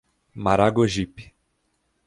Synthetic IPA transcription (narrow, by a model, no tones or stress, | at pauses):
maɾaɡoʒipi̥